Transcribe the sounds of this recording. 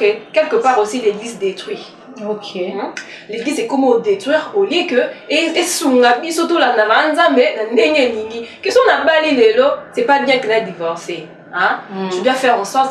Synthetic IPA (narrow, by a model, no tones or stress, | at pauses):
kekɛlkəpaʁosileɡlizd̪et̪χwi | ok | leɡlizɛkɔmodetχwiʁolikəeesuŋɡabisotolanalanzãmɛnandeŋeeniŋɡikesɔ̃nabalilelosɛpabjɛ̃kənadivɔʁse | ɛ̃tydwafɛʁɛ̃sɔ̃